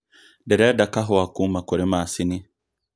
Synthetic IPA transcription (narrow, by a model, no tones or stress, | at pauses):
dɛɾɛdakaɦɔwakumakɔɾimaːsini